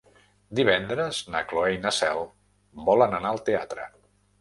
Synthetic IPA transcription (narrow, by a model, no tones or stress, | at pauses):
d̪iβ̞ɛnd̪ɾəznəkloejnəsɛlˠ | bɔlənənaəlˠt̪eat̪ɾə̰